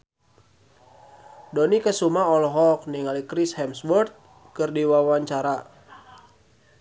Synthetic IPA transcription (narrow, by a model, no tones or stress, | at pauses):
donikəsumaɔlɔɦɔk̚niŋalikɾishɛmsbɔrt̪̚ | kɨrdiwawaɲt͡ʃaɾa